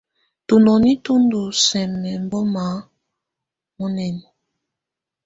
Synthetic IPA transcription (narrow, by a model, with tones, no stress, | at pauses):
tu˨nɔ˨ni˦tu˦ndu˨sɛ˨mɛ˨m˦bɔ˦ma˨˦ | mɔ˦nɛ˨ni˨